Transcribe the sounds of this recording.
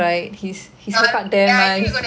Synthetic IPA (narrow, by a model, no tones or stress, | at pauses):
aɪt̚hishisofadɛmã